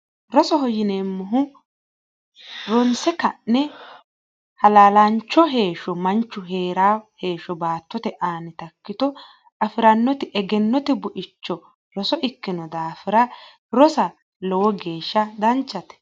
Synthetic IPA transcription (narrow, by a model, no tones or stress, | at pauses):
ɾɔsɔɦɔjɪneːmːʊɦʊ | ɾɔnsɛkɐnnɛ | hɐlaːlɐnt͡ʃːɔɦe̞ːʃɔmɐnt͡ʃːʊɦe̞ːɾaːhe̞ːʃɔbaːt̪ːɔt̪ɛʔaːnɪt̪ɐkːɪt̪ɔ | ɐfɪɾɐnːɔt̪ɪʔɛɡɛnːɔt̪ɪbʊʔɪt͡ʃːɔ | ɾɔsɔʔɪkːɪnɔd̪aːfɪɾɐ | ɾɔsɐ | lɔwɔɡe̞ːʃːɐd̪ɐnt͡ʃːɐt̪ɛ̥